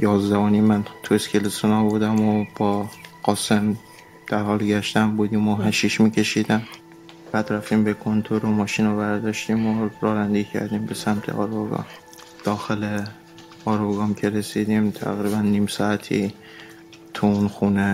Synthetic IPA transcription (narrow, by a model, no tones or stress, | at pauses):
jɒːzd̪ævonimænt̪ʰueskʲʰelesonɒbud̪æmob̥ɒːɢ̥ɒːse̞m | d̪̥æɾhɒːlɡæʃt̪æmbuːd̪iːmoɦæʃiʃmiːcʰe̞ʃiːd̪æm | b̥æd̪ɾæft̪iːmbekʰo̞nt̪ʰoɾomɒːʃinovæɾd̪ɒʃt̪imoɾɒːɾænd̪icʰæ̰ɾd̪iːmbe̞sæmt̪ʰḛʔɒːɾboɡɒ̰m | d̪̥ɒːxele | ɒːɾoɡɒmcʲʰe̞ɾesid̪imt̪ʰæ̰ɣɾiːbænːimsɒːæt̪ʰḭ | t̪ʰuunxune